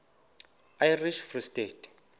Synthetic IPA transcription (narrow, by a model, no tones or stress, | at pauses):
ajriʃfristeːtʰʼ